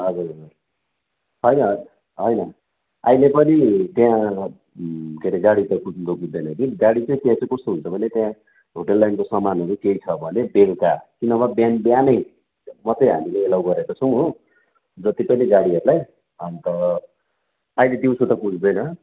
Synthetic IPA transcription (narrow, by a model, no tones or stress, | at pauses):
ʌd͡zur | ɦʌjnʌ | ɦʌjnʌ | ajlepʌnit̪jã | keɾeɡaɽit̪ʌkud͡zt̪okud̪ʌjnʌkiɡaɽit͡sʌĩt̪jãt͡sʌj̃kʌst̪oɦunt͡sʰʌbʱʌnet̪jã | ɦoʈʌlːajnkosʌmanɦʌɾukeit͡sʰʌbʱʌnebelkakinʌbabjanbjanʌj | mʌt͡sʌj̃ɦa̰mileːlawɡʌɾekʌt͡sʰʌw̃ɦo | d͡zʌt̪ipʌniɡaɽiɦʌɾulaj | ʌnt̪ʌ | ailet̪iũsut̪ʌkud͡zd̪ʌjnʌ